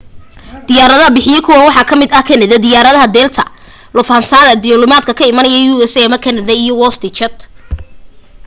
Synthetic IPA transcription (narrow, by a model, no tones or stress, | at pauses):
d̪̥ɪjaːɾɐðɐɦɐbɪħɪjɛkʰʊwɐwɑħɑkʰɐmɪd̪ɐkʰɛnɛðɐd̪ɪjaːɾɐðɐɦɐd̪ɛːlt̪ʰɐ̰ | lʊfhɐnsaːðɐd̪ɪjɔlʊmaːd̪̚kʰɐkʰɐɪmɐnɐjɐjuɛsɛmɐkʰɛnɛðɐijɔwɔst̪ʰɪt͡ʃʰɐd̪